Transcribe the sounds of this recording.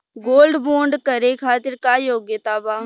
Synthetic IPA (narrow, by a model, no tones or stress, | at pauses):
ɡoːlɖboːɳɖkɐɾekʰaːt̪ɪɾkajoːɡjət̪aːbaː